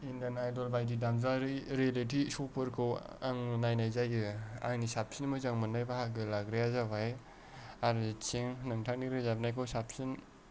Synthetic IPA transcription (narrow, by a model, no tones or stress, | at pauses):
indanajdɔlbajdidamzaɾiɾalit̬isɔpʰɯɾkʰɯwa̰ŋnajnajzajɯa̰ŋnisapsinmɯzaŋmɯnːajbahaɡɯlaɡɾejazabaj | aɾt͡ʃeŋnɯŋtʰak̚niɾɯzab̚najkʰɯwsap̚sin